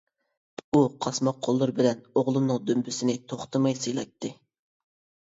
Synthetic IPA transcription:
uqʰɑsmɑq̚qʰːolˠːɨɾbɪlɛnoʁlˠunɨŋd̪ømbysɪnɪt̪ʰoχt̪ʰɨmɑjsɨjlˠɑk̚t̪ʰːɪ

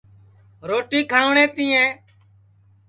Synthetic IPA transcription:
ɾoːʈiːkʰaːʋɳɛ̃ːt̪ĩːɛ̃ː

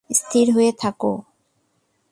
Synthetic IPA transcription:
st̪ʰiɾɦoet̪ʰako̰

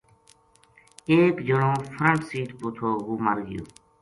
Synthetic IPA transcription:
eːkd͡ʒəɳõːpʰɾəɳʈsiːʈpoːt̪ʰoːɡuːməɾɡɪjo̰ː

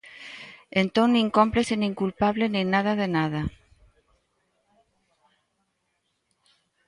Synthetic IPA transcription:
ent̪oniŋkompleseniŋkulpaβleninaðaðenað̞a

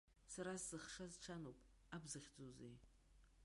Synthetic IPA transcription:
saɾaszɨχʂazʈ͡ʂʰanopʼ | abzɨχʲd͡zozḛj

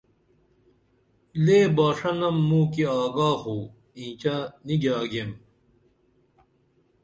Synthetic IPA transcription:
leːbaːʂɐnɐmːũːkiaːɡaːhuː | ĩːt͡ɕaniɡaːɡem

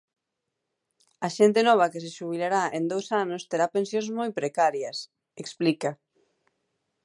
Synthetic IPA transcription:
ɐʃent̪enɔβ̞ɐkeseʃuβ̞ilaɾaʔend̪owsanost̪eɾapensjõnsmojpɾekaɾjɐs | eksplikɐ

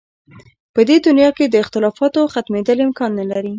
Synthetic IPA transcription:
pəd̪ed̪ʊnjɑked̪əɪxt̪ɪlɑfɑt̪oxat̪med̪əlɪmkɑnːəlaɾi

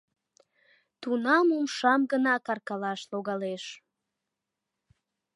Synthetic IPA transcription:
t̪unɑmumʃɑmɡənɑkɑrkɑlɑʃloɣɑleʃ

